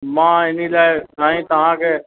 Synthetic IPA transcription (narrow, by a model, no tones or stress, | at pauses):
mãːɪnilaːɪsaːĩːt̪ɐʋ̤ãːkʰeː